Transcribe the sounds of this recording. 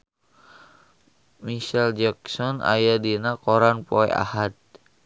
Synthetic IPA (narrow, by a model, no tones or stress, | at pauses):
miʃɛld͡ʒaksɔna̰jadinakɔɾanpɔɛ̰ʔa̰hat̪̚